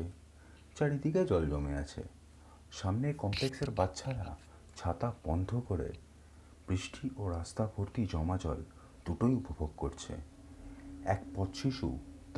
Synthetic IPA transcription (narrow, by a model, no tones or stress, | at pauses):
e | t͡ɕaɽid̪ʱiked͡ʑɔld͡ʑɔmea̰t͡ɕʰḛ | ʃamnekɔmplekseɾbatːɕʰaɾa̰ | t͡ɕʰat̪ab̥ɔnd̪ʱokoɾḛ | b̥ɾiʃʈʰiʔoɾast̪abʱoɾt̪id͡ʑɔmad͡ʑɔl | d̪̥uʈojupobʱoɡkoɾt͡ɕʰḛ | ɛ̰kpɔt̪ʃiʃṵt̪